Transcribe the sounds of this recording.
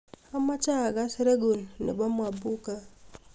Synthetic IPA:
a˦ma˦t͡ʃa˦˨ɡa˦si˦ɾe˦ɡo˨nnḛ˨ba˦mwa˨bu˦ka˦

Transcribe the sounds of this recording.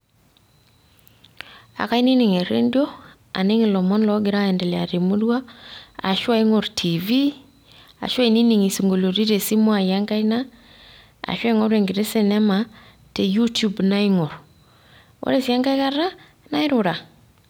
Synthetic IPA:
a̰˨ka˦i˦ni˦ni˨ŋe˨ɾḛ˦ndi˦o˦ | a̰˨ni˦ŋi˨lɔ˨mɔ˦nlɔ˦ɡɪ˨ɾa˦ɛ˨nde˨lɛ˨a˨ɾi˨mu˦dwa˦a̰˨ʃwa˦i˦ŋo˨ɾtʰi˨vi˦ | a̰˨ʃwa˦i˨ni˦ni˨ŋi˨si˨ŋɡo˨lo˨ɾi˦ɾe˨si˦mo˦a˨ja˦ŋka˦jna˦ | a̰˨ʃwa˦i˦ŋo˦ɾe˨ŋɡi˨ɾe˦si˦nɛ˦ma˨ | te˨ju˦tu˦bna˦i˦ŋo˨ɾ | wʔo̰˦ɾe˦˨si˨a˦ŋɡa˦jka˦ra˦ | na˦ɪ˦ɾʊ˨ɾa˨

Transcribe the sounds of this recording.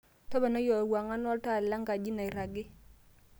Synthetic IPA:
tɔ˦ba˨na˦jɔ˨wa˨ŋa˦nɔ˦lta˦˨lla˦ŋɡa˨d͡ʒi˦na˨i˨ɾa˨ɡɪ˦

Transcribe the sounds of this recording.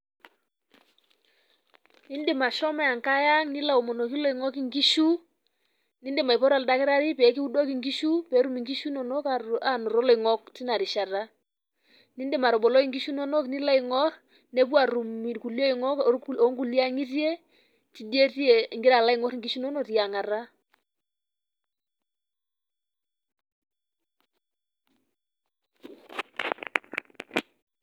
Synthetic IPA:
ni˦ndɪ˨ma˨ʃɔ˦mɛ˦a˨ŋka˦ja˦ŋni˦la˨o˨mɔ˨no˨ki˦lɔ˦˨i˨ŋɔ˦ki˨ŋɡi˦ʃu˦ | ni˦ndɪ˨ma˨i˨pɔ˦ɾa˨lda˦kɪ˦ɾa˦ɾi˦pɛ˨˦ki˦u˦dɔ˦ki˨ŋɡi˦ʃu˦pɛ˨˦ɾu˦mi˨ŋɡi˦ʃu˦nɔ˨nɔ˦ka˨a˨nɔ˨ɾɔ˦lɔ˨i˨ŋɔ˦k̚ti˦na˨ɾi˨ʃa˨ta˦ | ni˦ndɪ˦˨ma˨ɾɔ˨bɔ˨lɔ˦i˨ŋɡi˦ʃu˦nɔ˦nɔ˦kni˦la˦i˨ŋɔ˦ɾ | nɛ˦pwa˨ɾu˨mi˨ku˨ljɔ˦i˨ŋɔ˦ko˦ŋɡu˦˨lja˦ŋi˦tjɛ˦ | ti˨˦de˦tjɛ˨ŋɡɪ˦ɾa˨la˦ɪ˨ŋɔ˦ɾŋɡi˦ʃu˦nɔ˦nɔ˨ti˨a˨ŋa˨ɾa˦

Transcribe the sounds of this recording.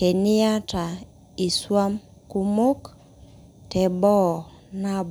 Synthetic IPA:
ke˨nɪ˦a˦ta˨ | i˨swa˦m | ku˦mo˦k | tɛ˨bɔ˦˨ | na˦b

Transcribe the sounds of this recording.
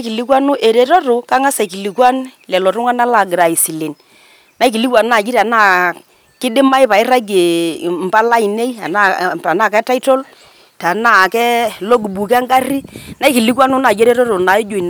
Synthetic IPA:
ki˨li˦kwa˦nʊ˦ʔe˨ɾe˨tɔ˦ɾʊ˨ka˦ŋa˦sa˨ki˨li˨kwa˦nlɛ˨lɔ˨tʊ˦ŋa˦na˦la˨ɡɾa˨i˨si˨li˨n | na˦i˦ki˨li˦kwa˨n˦na˨d͡ʒi˦ɾa˨na˦˨ | kɪ˦dɪ˦ma˦jpa˨ɪ˦ɾa˦ɡe˨m̩˨pa˦la˦i˨ne˦i˦a̰˨na˦˨a˨na˦˨kɛ˦ta˦jtɔ˦l | ta˨na˦˨kɛ˦lo˦ɡu˨bu˨ka˦ŋɡa˦ri˦na˨˦i˦ki˨li˦kwa˦nʊ˦na˨d͡ʒe˦ɾe˦tɔ˦ɾʊ˨na˨˦ɪ˦d͡ʒo˨n˨

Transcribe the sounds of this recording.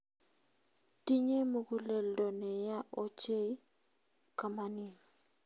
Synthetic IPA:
ti˦ɲe˦mo˨ɡu˦le˨ldo˨nɛ˨ja˦ʔo˦t͡ʃe˦ | ka˨ma˨ni˨

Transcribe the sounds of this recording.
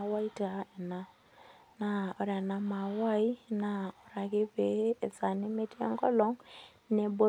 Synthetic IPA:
wa˦i˦ta˨e˨na˦ | na˨o˨ɾja˨na˨ma˨wa˦i˦na˦o˨ɾa˨ɣe˦βeː˦˨sa˨ne˦me˦tḛ˦ŋɡɔ˦lɔ˦ŋ | ne˨bo˦

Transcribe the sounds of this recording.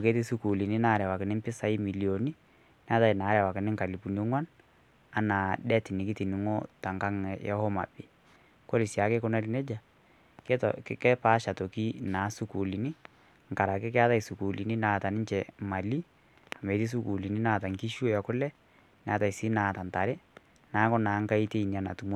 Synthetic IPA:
o˨ke˦ti˦su˦ku˨li˨ni˦na˦ɾɛ˨wa˨kɪ˨nɪ˦mpɪ˦sa˨˦ɪ˦mi˨li˨o˨ni˦ | n˦a˦ta˦˨ɪ˨na˨˦ɾɛ˨wa˨kɪ˨nɪ˦ŋka˨li˨pu˨no˦ŋwa˦n | a˨˦na˨dɛ˦tɪ˨nɪ˨kɪ˦ti˨ni˨ŋo˦ta˨ŋka˦ŋ˨jɛ̰˦ho˦ma̰˨bɪ˨ | ko˦ɾi˨sja˨˦kɪ˦kʊ˦nɛ˦lɪ˨˦nɛ˦d͡ʒa˨ | ktkɛ˦pa˦ʃa˨to˨ki˦naː˨˦su˦ku˨li˨ni˦ | ŋ̩ka˨ɾa˨kɪ˦kɪ˦a˦ta˦i˨su˨ku˨li˨ni˦naː˨ta˨nɪ˦ɲt͡ʃɛ˨ma˨li˦ | a˨me˨˦ti˦s̬u˦ku˨li˨ni˦na˦˨ta˨ŋki˦ʃu˦jɔ˨kʊ˦lɛ˦ | nɛ˨a˦ta˨i˨si˦naː˨ta˨nta˨ɾɪ˦ | naː˨˦kʊ˦na˨˦ŋ˦ka˦i˦te˦i˨ni˨a˨na̰˨tu˨mo˦

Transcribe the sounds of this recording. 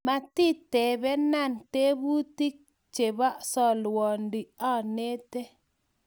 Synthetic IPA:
ma˨ti˦tɛ˨bɛ˦na˦˨nte˦bu˦ti˦k̚ | t͡ʃe˨βa˦sɔ˨lwɔ˨ndi˨a˦ne˦tɛ˦

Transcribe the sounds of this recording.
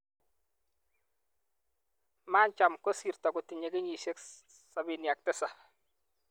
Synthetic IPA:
maː˦nt͡ʃa˨mko˦siː˨ɾtɔ˨ku˨ti˨ɲe˨kɪ˦ɲi˨ʃe˦k | sa˨bi˨nja˨k̚tɛ˦sa˨

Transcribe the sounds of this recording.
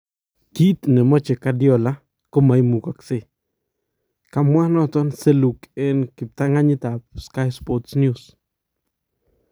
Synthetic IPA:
ki˦t̪nɛ˨mɔ˦t͡ʃɛ˨ka˦djɔ˨la˦ | ko˦ma˨jmu˨ka˨kse˨ | ka˨mwa˦nɔ˦t̪ɔ˦nse˦lu˨ke˨nkɪ˨p̚t̪a˦ŋa˦ɲɪ˦t̪a˨p̚ska˦jspɔtsnjus

